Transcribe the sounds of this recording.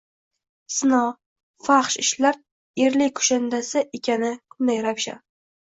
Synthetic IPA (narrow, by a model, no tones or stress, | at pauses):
sɪnɒ | faχʃɪʃlaɾ | eɾlɪkʰʊ̥ʃand̪asɪʔekʲʰanɪkʰʊnd̪ajɾawʃa̰